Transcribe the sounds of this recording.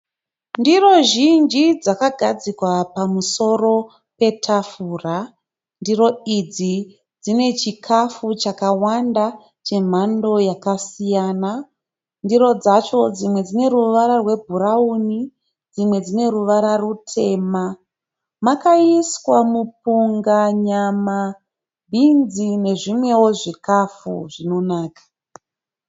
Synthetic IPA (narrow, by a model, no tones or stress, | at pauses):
ndiro̞ʒind͡ʒid͡zakaɡʱad͡zikwapamuso̞ro̞ | pe̞tʰafuːra | ndiro̞id͡zi | d͡zine̞t͡ʃikʰafut͡ʃakawanda | t͡ʃe̞m̤ando̞jakasijaːna | ndiɾo̞d͡zat͡ʃo̞d͡zimwe̞d͡zine̞ɾuʋaɾarwe̞bʱuɾauni | d͡zimwe̞d͡zine̞ɾuʋaɾarutʰe̞ːma | makaiswamup̚uŋɡaɲama | bʱinzine̞ʐimwe̞wo̞ʐikafṵʐino̞naːkḁ